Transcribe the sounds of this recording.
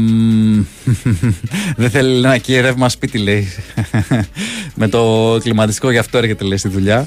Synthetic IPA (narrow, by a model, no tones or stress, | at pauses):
ðeθelienɐcieɾevmɐspit̪ileis | me̞t̪o̞klimɐt̪ist̪iko̞ʝɐft̪o̞e̞ɾçe̞t̪eleist̪iðuʎɐ